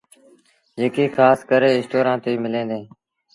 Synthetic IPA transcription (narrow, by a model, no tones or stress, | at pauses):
d͡ʒeːkeːkʰaːskəɾeːɪsʈoːɾãːt̪eːmɪlẽːd̪ẽː